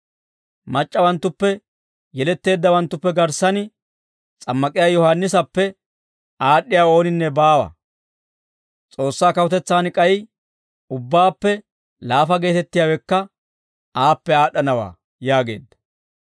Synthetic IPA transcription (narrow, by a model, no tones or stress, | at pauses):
mɐt͡ʃʼːɐwɐnt̪ːʊpːɛ | jɛlɛt̪ːe̞ːd̪ːɐwɐnt̪ːʊpːɛɡɐɾsɐnɪ | t͡sʼɐmːɐkʼɪjaːjɔhanːɪsɐpːɛ | aːɗːɪjaːo̞ːnɪnːɛbaːwɐ̰ | t͡sʼo̞ːsːaːkɐwʊt̪ɛt͡sːaːnkʼɐj | ʊbːaːpːɛ | laːfɐɡe̞ːt̪ɛt̪ːɪjaːwɛkːɐ | aːpːɛaːɗɐnɐwa̰ː | jaːɡe̞̰ːd̪ːɐ̥